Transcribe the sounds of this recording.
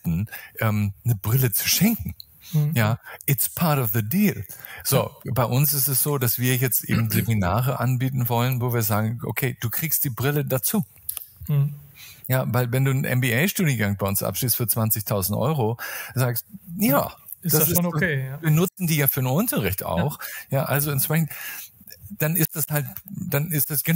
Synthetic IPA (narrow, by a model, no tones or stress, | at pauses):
tn̩ʔɛːmnəbʁɪlət͡su̥ʃɛŋkŋ̩ | jaːʔɪtspʰaɐtɔfðədiːlz̥oːbaɪʔʊnsɪstɛsz̥oːdasv̥iːɐjɛt͡stʔḛːbm̩zeminaːʁəʔanbiːtn̩vɔlənvoːviːɐzaːɡŋ̩ʔo̰kʰeːd̥uːkʁ̥iːkstd̥iːbʁɪlədat͡suː | jaːvaɪlvɛnduːnənʔɛ̰nbiɛɪʃtuːdiənɡaŋbaɪʊnsʔa̰pʃliːstfyːɐt͡sv̥ant͡sɪçtʰaʊzn̩tʔɔ̰ʏʁozaːkst̚jaː | d̥assɪviːɐnʊt͡sn̩diːjaːfyːɐnəʊntɐʁɪçta̰ʊxjaːʔalzoɛntʃpʁɛçn̩t | d̥anɪstd̥ashaltd̥anɪstd̥asɡ̥ən